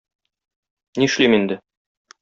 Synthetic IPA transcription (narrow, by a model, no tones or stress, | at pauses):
niʃlimind̪ɘ